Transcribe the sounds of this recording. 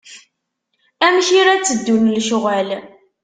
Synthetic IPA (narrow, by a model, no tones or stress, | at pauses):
æmçiɾæt͡sːəd̪ːunlʃʊʁæl